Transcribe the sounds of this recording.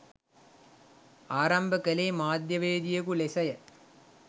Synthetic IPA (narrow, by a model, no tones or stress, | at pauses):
aːɾɐmbɐkɐleːmaːd̪jɐʋeːd̪ɪjɐkulesɐjɐ